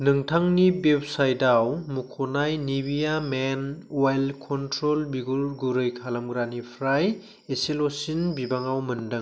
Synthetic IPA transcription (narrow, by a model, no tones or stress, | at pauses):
nɯŋtʰaŋnibep̚sajdawmukʰonajnibijamenwajlkʰɔntɾolbiɡuɾɡuɾɯjkʰalɐmɡɾanipʰɾaj | eselosinbibaŋawmɐndɯŋ